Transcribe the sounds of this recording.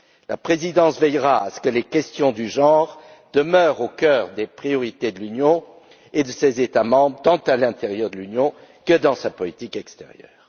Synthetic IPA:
lapχezid̪ɑ̃svɛjʁaasə̥kəlekɛst̪jɔ̃d̪yʒɑ̃ʁ | d̪əmœʁokœːʁd̪epχijɔʁit̪ed̪əlynjɔ̃ | ed̪əsezet̪amɑ̃bʁət̪ɑ̃t̪alɛ̃t̪eʁjœʁd̪əlynjɔ̃kəd̪ɑ̃sapɔlit̪ikɛkst̪ḛʁjœ̰ːʁ

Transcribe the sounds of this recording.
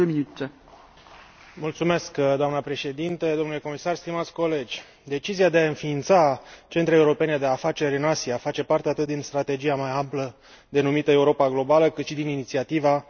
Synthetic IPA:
əminut̪e | mult̪sume̞skd̪oamnəpɾe̞ʃe̞d̪int̪ed̪o̞mnule̞ko̞misarst̪imat̪sʲko̞le̞d͡ʒʲ | d̪e̞t͡ʃiziad̪eaɨnfiːnt̪sat͡ʃe̞nt̪ɾeeuɾo̞pe̞ned̪e̞afat͡ʃe̞ɾʲɨnasiafat͡ʃe̞part̪eat̪ɨt̪̚d̪inst̪ɾat̪e̞d͡ʒiamajamplə | d̪e̞numit̪əe̞uɾo̞paɡlo̞baləkɨt̪ʃid̪ininit̪siat̪iva

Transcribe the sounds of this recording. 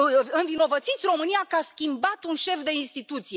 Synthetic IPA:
ɨnvino̞vət̪sit̪sʲro̞mɨnijakəaskʲimbat̪unʃe̞fd̪e̞inst̪it̪ut̪sije̞

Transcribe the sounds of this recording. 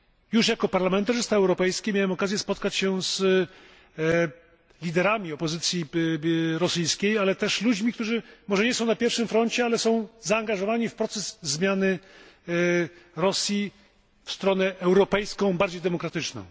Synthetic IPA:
juʂjakɔpaɾlamɛnt̪aʐɘst̪aɛwɾɔpɛjskʲɛmʲjawɛmɔkazʲjɛspɔt̪kat͡ɕɕɛz̥ | lʲid̪ɛɾamʲiɔpɔzɘt̪sʲji | ɾɔsɘjskʲejalɛt̪ɛʂlud͡ʑmʲikt̪uʐɘmɔʐɛɲɛsɔ̃w̃napʲjɛɾfʂɘmfɾɔɲt͡ɕɛalɛsɔ̃w̃zaːŋɡaʐɔvaɲifpɾɔt̪sɛzzmʲjanɘ | ɾɔsʲji | fst̪ɾɔnɛʔɛwɾɔpɛjskɔ̃w̃baɾd͡ʑejd̪ɛmɔkɾat̪ɘt͡ʂnɔ̰̃w̃

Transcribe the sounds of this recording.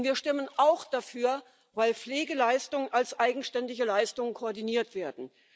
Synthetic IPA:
viːɐʃtɪmənʔaʊxd̥afyːɐ | vaɪlp͡fleːɡəlaɪstʊŋənalsʔaɪɡŋ̩ʃtɛndɪçəlaɪstʊŋənkʰoːɐdiniːɐtv̥eːɐdn̩

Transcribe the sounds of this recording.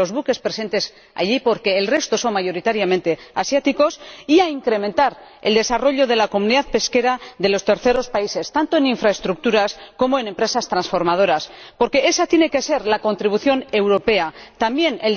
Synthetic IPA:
o̞zβuke̞spɾe̞se̞nt̪e̞s | a̰ʎipo̞ɾke̞ːlrest̪o̞so̞nmaʝo̞ɾit̪aɾjamẽnt̪e̞asjat̪iko̞siaiŋkɾe̞mẽnt̪aɾe̞ld̪e̞saro̞ʎo̞ð̞e̞lako̞muniðaðpe̞ske̞ɾaðe̞lo̞st̪e̞ɾθe̞ɾo̞spaise̞st̪ant̪o̞eniɱfɾaest̪ɾuk̚t̪uɾasko̞moe̞ne̞mpɾe̞sast̪ɾansfo̞ɾmað̞o̞ɾaspo̞ɾke̞e̞sat̪je̞ne̞ke̞se̞ɾlako̞nt̪ɾiβ̞uθjo̞ne̞wɾo̞pe̞at̪ambje̞nel

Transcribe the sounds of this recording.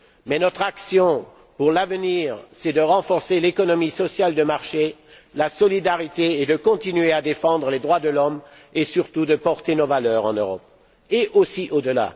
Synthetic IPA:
mɛnɔt̪χaksjɔ̃ | puʁlavəniːʁsɛd̪əʁɑ̃fɔʁselekɔnɔmisɔsjald̪əmaʁʃe | lasɔlid̪aʁit̪eːd̪əkɔ̃t̪inɥead̪efɑ̃d̪ʁəled̪ʁwad̪əlɔm | esyʁt̪ud̪əpɔʁt̪enovalœʁɑ̃nøʁɔp̚ | eʔosiʔod̪əla̰

